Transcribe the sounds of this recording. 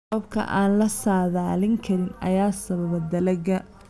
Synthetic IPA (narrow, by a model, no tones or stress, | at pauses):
ɔbkʰɐ̰ʔaːnlɐsaːðaːlɪŋkʰɐɾɪnɐ̰jaːsɐβɐβɐd̪ɐlɐɡɐ